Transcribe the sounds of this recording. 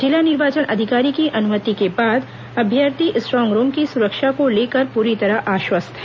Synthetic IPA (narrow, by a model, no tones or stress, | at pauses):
d͡ʒɪlanɪɾʋaːt͡ʃənʔɐd̪ʱɪkaːɾikiʔɐnʊmət̪ikebaːd̪ | ɐbʱjəɾt̪iʔsʈɾɔ̃ːŋɡɾoːmkisʊɾəkʃakoleːkəɾpuːɾit̪ɐɾaʔaːʃwəst̪ʰɦɛ